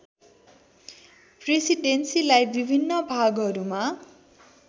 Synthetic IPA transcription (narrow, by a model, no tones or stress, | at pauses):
presiɖensilajbibʱinːʌbʱaɡɦʌɾuma